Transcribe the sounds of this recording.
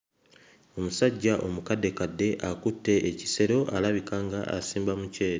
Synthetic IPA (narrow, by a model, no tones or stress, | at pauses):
o̞musaɟːaʔo̞mukadːe̞kadːe̞ʔakutːe̞ːci̥se̞ɾo̞ʔalaβikaŋɡaʔa̰siːmbamuce̞ːɾe